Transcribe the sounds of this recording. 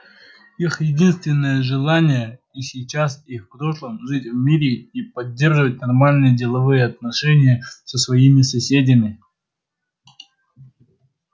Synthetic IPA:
ixjɪdʲinst̪vʲɪnːəjəʐɨlˠanʲɪjə | isʲɪt͡ɕasifpɾo̞ʂlˠəmʐɨtʲvmʲiɾʲɪipɐdʲːerʐɨvət̚ʲnɐrmalʲnɨjədʲɪlˠɐvɨjəɐt̪nɐʂɛnʲɪjəsəsvɐjimʲɪsɐsʲedʲɪmʲɪ

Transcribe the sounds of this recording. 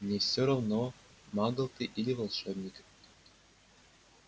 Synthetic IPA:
nʲefsʲoɾɐvno | mɑɡɤ̆lˠt̪ɨʔilʲɪvɐlˠʂɛbnʲɪkʲ

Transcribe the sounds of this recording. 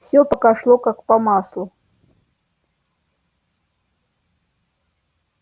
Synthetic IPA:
fsʲɔpɐkaʂlˠɔkakpɐmaslˠu

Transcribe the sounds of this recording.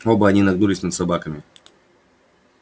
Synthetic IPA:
obɐaɲʲinaɡnulʲisʲnad̪sabakɐmi

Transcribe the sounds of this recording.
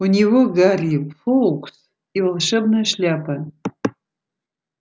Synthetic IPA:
unʲiwoɡarʲipfowkʷʰʼs | ilʂɐbnɐʃlʲapʰan

